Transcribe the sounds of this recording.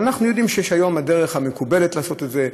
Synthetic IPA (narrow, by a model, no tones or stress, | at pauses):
anaχnujo̞d̪imʃejɛʃhajo̞mad̪eʁeχhamekube̞let̪laːso̞t̪etze̞